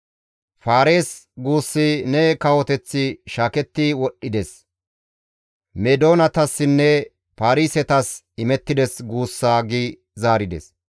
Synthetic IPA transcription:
faːɾe̞ːsɡuːsːɪnɛkɐwɔt̪ɛt͡sːɪʃaːkɛt̪ːɪwɔɗːɪd̪ɛs | mɛd̪o̞ːnɐt̪ɐsːɪnːɛ | faːɾiːsɛt̪ɐs | ɪmɛt̪ːɪd̪ɛsɡuːsːaːɡɪ | zaːɾɪd̪ɛ̰s

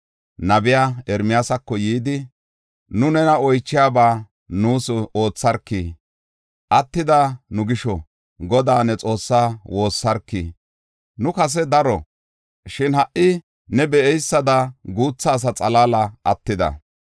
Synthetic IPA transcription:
nɐbɪjaːɛɾmɪjaːsɐkːɔjiːd̪ɪ | nʊnɛnɐɔjt͡ʃːɪjaːbaː | nuːso̞ːt͡sːɐɾkːi | ʔɐt̪ːɪd̪anʊɡɪʃɔ | ɡɔd̪aːnɛt͡sʼo̞ːsːaːwo̞ːsːɐɾkːi | nʊkɐs̬ɛd̪ɐɾɔ | ʃɪnhɐʔʔɪ | nɛbɛʔɛjsːɐd̪ɐɡuːt͡sːaːs̬ɐt͡sʼɐlaːlɐɐt̪ːɪd̪ɐ̰

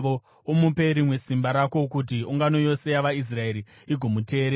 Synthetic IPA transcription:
ʋo | omupe̞ɾimwe̞simbaɾako̞kut̬iuŋɡano̞jo̞se̞jaʋais̬rae̞ɾi | iɡʱo̞mute̞ːɾe

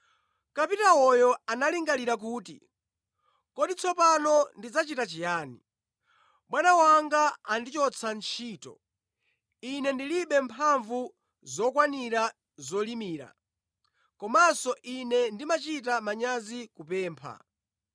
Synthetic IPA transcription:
kapitawɔjɔanaliŋɡaliɾak̬uːtḭ | kɔɗit͡sʰɔpanɔndid͡zat͡ʃitat͡ʃijaːni | ɓwanawaŋɡaandit͡ʃɔt͡sʰant͡ʃʰiːtɔ̰ | inɛndiliɓɛmpʰaɱvu | zɔkwaniɾa | zɔlimiːɾa̰ | kɔmasɔʔinɛndimat͡ʃit̬amaɲazikupɛːmpʰa̰

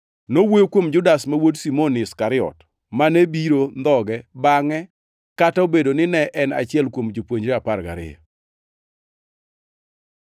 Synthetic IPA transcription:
nowojokwomd͡ʒʊdasmawodsimonɪskaɾɪɔ̰t | manebiɾond̪ɔɡɛbaŋɛ | kataobedonɪnɛʔɛna̰t͡ʃɪɛlkwomd͡ʒopwoɲd͡ʒɾeaparɡa̰ɾɪ̰a̰

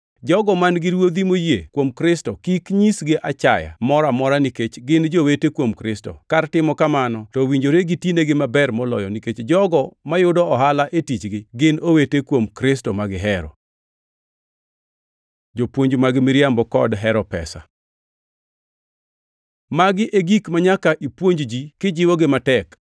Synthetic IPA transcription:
d͡ʒɔɡɔmanɡɪɾwod̪imojjekwomkɾɪstɔkikɲisɡɪʔat͡ʃaja̰mɔɾamɔɾaniket͡ʃɡɪnd͡ʒowetekwomkɾɪstɔ̰kartɪmɔkamanɔtɔwiɲd͡ʒoɾeɡitjineɡɪmabɛrmɔlɔ̰jɔniket͡ʃd͡ʒɔɡɔmajʊdɔɔɦalaʔetit͡ʃɡɪɡɪnowetekwomkɾɪstɔmaɡɪɦɛɾɔ̰ | d͡ʒopwoɲd͡ʒmaɡɪmiɾjambɔkɔdɦɛɾɔpɛ̰sa̰ | maɡɪʔeɡikmaɲakaʔipwoɲd͡ʒd͡ʒikɪd͡ʒɪwɔɡɪmatɛk

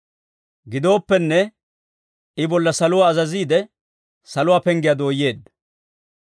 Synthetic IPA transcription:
ɡɪd̪o̞ːpːɛnːɛ | ɪbɔlːɐsɐlʊwaːzɐziːd̪ɛ | sɐlʊwaːpɛŋɡɪjad̪o̞ːjːe̞ːd̪ːɐ

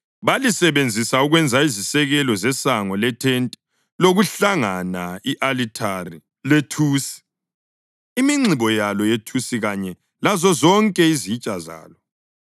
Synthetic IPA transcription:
βalisɛβend͡zʱisauɣwɛnd͡zʱaizisɛɣɛlɔzɛsaŋɔlɛtʰentʼi̥ | loɣuɬaŋanaiʔalitʰari | letʰuːsi̥ | imiŋ͡ǀʱiβɔjalɔjetʰusiɣaɲɛ | lazɔzɔŋkʼɛizit͡ʃʼaza̰ːlɔ

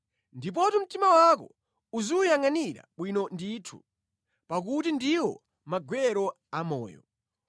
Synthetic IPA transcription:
ndip̬ɔtɔm̩timawakɔ | uziujaŋaniɾa̰ɓwinɔndiːtʰṵ | pak̬utindiwɔ̰ | maɡwɛɾɔ | amɔ̰ːjɔ̰

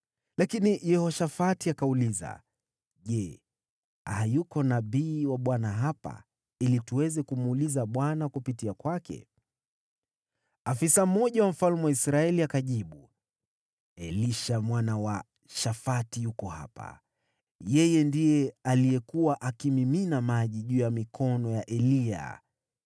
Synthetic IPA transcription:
lakinijɛhɔʃafatiakauliza̰ | ʄɛ | hajukɔnaɓiːwaɓwanaɦapa̰ | ilituwɛzɛkumuːlizaɓwanakupitiakwakɛ̰ | afisam̩mɔʄawam̩falmɛwaisɾaɛliakaʄiɓu | ɛliʃamwanawa | ʃafatijukɔha̰pa̰ | jɛjɛndijɛalijɛkuwaʔakimiminamaʄiʄuːjamikʰɔnɔjaʔɛlia̰

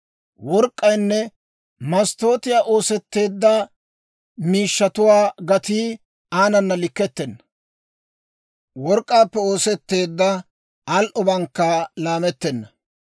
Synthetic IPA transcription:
wɔɾkʼːɐjnːɛ | mɐst̪o̞ːt̪ɪjaːʔo̞ːsɛt̪ːe̞ːd̪ːɐ | miːʃːɐt̪ʊwaːɡɐt̪iː | aːnɐnːɐlɪkːɛt̪ːɛnːɐ | wɔɾkʼːaːpːɛo̞ːsɛt̪ːe̞ːd̪ːɐ | ɐlʔɔbɐŋkːɐlaːmɛt̪ːɛnːɐ

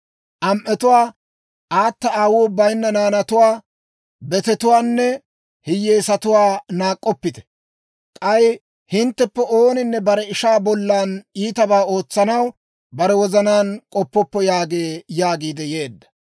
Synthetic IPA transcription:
ʔɐmʔɛt̪ʊwaː | ʔaːt̪ːɐaːwoːbɐjnːɐnaːnɐt̪ʊwaː | bɛt̪ɛt̪ʊwaːnːɛ | hɪjeːsɐt̪ʊwaːnaːkʼːɔpːɪt̪ɛ̥ | kʼɐj | hɪnt̪ːɛpːɛʔo̞ːnɪnːɛbɐɾɛɪʃaːbɔlːaːniːt̪ɐbaːo̞ːt͡sːɐnɐw | bɐɾɛwɔzɐnaːnkʼɔpːɔpːɔjaːɡeːjaːɡiːd̪ɛje̞ːd̪ːɐ̥

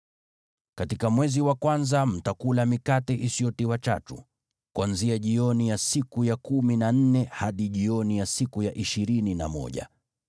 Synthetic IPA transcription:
katikamwɛziwakwanzam̩takulamikatɛʔisiɔtiwat͡ʃa̰tṵ | kwanziaʄiɔnijasikujakuminan̩nɛhaɗiʄiɔnijasikujaʔiʃiɾinina̰mɔ̰ʄa̰

